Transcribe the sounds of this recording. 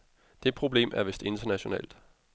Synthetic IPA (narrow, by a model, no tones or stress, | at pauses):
d̥e̝pʰʁo̝b̥le̝̰ːmʔæɐʋesd̥e̝nd̥ɐnæɕo̝nɛ̰ːld̥